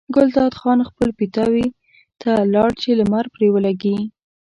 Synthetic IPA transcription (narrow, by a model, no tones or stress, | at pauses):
ɡʊlt̪ɑd̪xɑnxpəlpit̪ɑwi | t̪ʰalɑɽt͡ʃelamaɾpɾewəlaɡi